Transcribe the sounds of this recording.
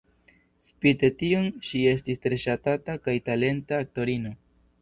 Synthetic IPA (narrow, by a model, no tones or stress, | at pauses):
spite̞tionʃie̞stistɾe̞ʃatatakajtale̞ntaːk̚to̞ɾino